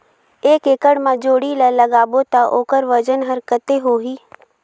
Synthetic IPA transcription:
eːkeːkəɽmãd͡ʒoːɽilələɡaːbot̪aʔoːkəɾʋəd͡ʒənɦəɾkət̪eɦoːɦiː

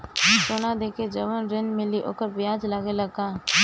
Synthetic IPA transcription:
soːnad̪eːked͡ʒəʋənɾɪnmɪliʔo̰ːkəɾbjaːd͡ʒlaːɡelɐɡaː

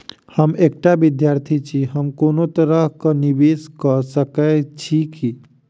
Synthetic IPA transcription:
həmek̚ʈabid̪jaɾt̪ʰit͡ʃʰiɦəmkonot̪əɾəɦkənibeskəsəkɛt͡ʃʰiki

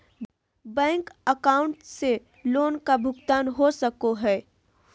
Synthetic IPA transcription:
bɛ̃ːŋkəkaːʊ̃ɳʈse | loːnkabʱʊɡt̪aːnɦosəkoɦɛː

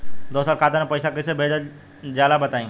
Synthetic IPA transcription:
d̪oːsaːlkaːd̪anẽpɐjsakɪsebʱeːd͡ʒa | d͡ʒjaːd̪abɐt̪aːĩː

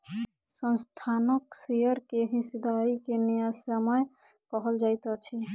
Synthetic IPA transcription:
sə̃nst̪ʰanəksejəɾkeɦĩsd̪aikenejasəməj | kɔɦəld͡ʒajt̪ɔt͡ʃʰi

